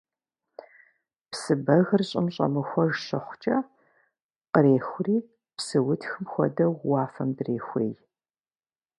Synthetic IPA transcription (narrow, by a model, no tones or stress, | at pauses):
psɨbɐɣɨrɕʼɪmɕʼɐ̰mɨxʷɔʒɕɪχʷt͡ʃʼɐ | qəɾeːxʷriː | psɨwʊtʰxɨmxʷɔ̰dɐːɑːfɐmdreːxʷḛːj